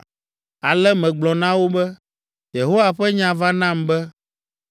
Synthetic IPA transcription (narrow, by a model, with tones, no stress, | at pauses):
a˨lɛ˦mɛ̃˨ɡ͡blɔ˨nã˦wo˦bɛ˦ | je˨ɦo˦wa˨ɸɛ˦ɲã˨va˦nã˦mbɛ˦